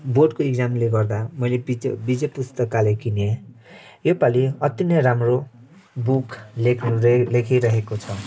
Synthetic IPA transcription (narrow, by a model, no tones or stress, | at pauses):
boɖkoeɡd͡zamleɡʌrd̪amʌjlebid͡zʌpust̪ʌkalekine | jopaliʌt̪jʌnʌjramro | bukʰlekʰnulekʰiɾʌɦekot͡sʰʌ